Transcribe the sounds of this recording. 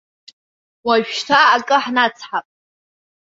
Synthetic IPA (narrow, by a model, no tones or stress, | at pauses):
waʒᶣtʰaːkʼɨħnat͡sʰħapʼ